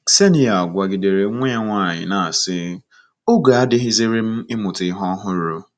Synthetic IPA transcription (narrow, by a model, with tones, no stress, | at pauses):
se˦ni˦a˨ɡʷa˨ɡɪ˨de˨ɾe˨˦ŋʷe˦a˦ŋʷa˦˨ɲɪ̰˨na˨a˨sɪ˦ | o˦ɡa˨a˦dɪ˦ɦɪ˦zɪ˦ɾɪ˦m̩˦ɪ˦mʊ˨tɪ˨˦ɦɔ˦ɦʊ˦ɾʊ˦